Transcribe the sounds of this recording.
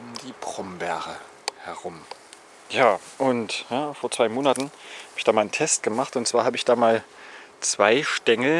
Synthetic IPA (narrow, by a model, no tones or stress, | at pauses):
ʔʊmdiːpʁ̥ɔmbɛɐʁə | hɛɐʁʊm | jaːʔʊntjaːfoːɐt͡sv̥aɪmoːnatn̩haːbəɪçd̥aːmaːlntʰɛst̚ɡ̥əmaχtʊntt͡sv̥aːɐhaːbəɪçd̥aːmaːl | t͡sv̥aɪʃtɛŋl̩